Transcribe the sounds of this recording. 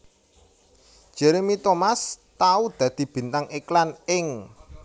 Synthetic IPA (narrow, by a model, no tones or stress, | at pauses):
ʒ̥ɛɾemit̪omast̪aud̪̥ä̤d̪̥i̤b̥i̤nt̪aŋeklanɪŋ